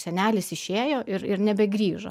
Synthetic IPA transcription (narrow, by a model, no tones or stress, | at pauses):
sʲɛnʲæːlʲɪsɪʃʃʲeːjoːʔɪɾɪɾnʲɛbʲɛɡɾʲiːʒɐ̰